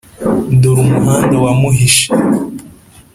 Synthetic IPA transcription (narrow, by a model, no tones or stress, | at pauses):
duɾumuɦaːndowamuɦiʃi̥